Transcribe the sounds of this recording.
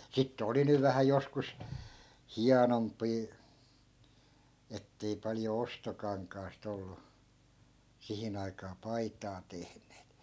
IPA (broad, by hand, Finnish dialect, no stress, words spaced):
sitːĕ oli nyʋ ʋæhæ joskus hiɑnompˑiː etːei pɑlĭjo ostokɑŋkɑːst olːu sihin ɑikɑː pɑitɑː tehneːt